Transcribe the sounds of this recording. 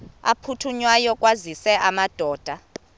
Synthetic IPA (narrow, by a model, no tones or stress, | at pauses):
a̰pʰutʰuɲwajɔkʼwazisɛʔamad̥ʱɔːd̥ʱa